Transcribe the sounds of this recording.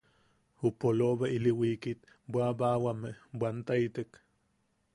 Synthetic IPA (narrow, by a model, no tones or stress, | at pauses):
hupoloβailiwikit̪ | bwabawameʔbʷant̪ait̪ek